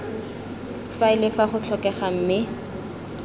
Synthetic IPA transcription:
faɪlɪfaχʊt͡ɬʰɔkɛχam̩mɪ

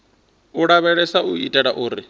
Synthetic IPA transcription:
uɺaβɛɺɛsauitʼɛɺaʔuːɾi

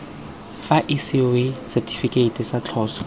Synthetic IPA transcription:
faʔisɪwesɛtʰʼi̥fikʼeitʼɪsat͡ɬʰɔːsɔ̥

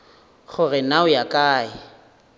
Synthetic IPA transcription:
χʊrɪnaʊjakʼaːɪ

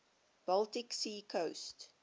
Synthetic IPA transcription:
b̥ʌltɪksiːkʰoʊst

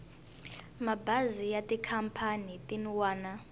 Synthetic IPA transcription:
mabazijatʼikʰampʰanitʼiniwaːna

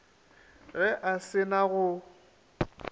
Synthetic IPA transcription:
ɣɛʔasɪnaɣʊ

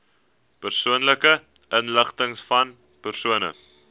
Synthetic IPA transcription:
pərsuənləkəʔənləχtəŋsfɐn | pərsuənə̰

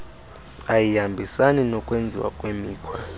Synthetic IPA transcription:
ajijambʱisaninɔkʼwend͡zʱḭwa̰kʼwemiːkʰwa

